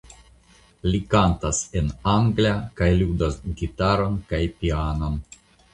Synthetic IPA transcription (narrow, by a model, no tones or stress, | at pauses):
likantase̞naŋɡliakajludasɡitaɾo̞nkajpianon